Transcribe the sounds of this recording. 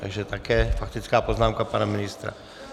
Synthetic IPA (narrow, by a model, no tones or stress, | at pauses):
t̪a̰ɡʒɛt̪akɛːfak̚t̪it͡skaːpɔznaːmkapaːnaminist̪ɾa̰